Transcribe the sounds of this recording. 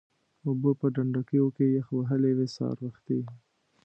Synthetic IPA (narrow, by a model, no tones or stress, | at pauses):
ubəpəɖaɳɖakəjokejəxwaɦəlewesɑ̰ɾwəxt̪i